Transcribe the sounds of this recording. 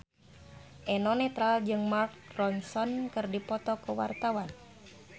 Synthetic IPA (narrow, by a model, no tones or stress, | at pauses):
ʔɛnɔnɛt̪ɾald͡ʒɨŋmark̚rɔnsɔnkɨrdipɔt̪ɔkəwa̰rt̪awan